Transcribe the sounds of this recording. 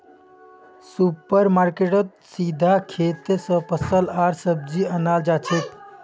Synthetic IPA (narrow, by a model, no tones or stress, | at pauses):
supəɾmaːɾkeʈət̪̚ | sid̪ʱakʰeːt̪esə̃pəsəlaːɾsəb̚d͡ʒiənaːld͡ʒaːt͡ʃʰet̪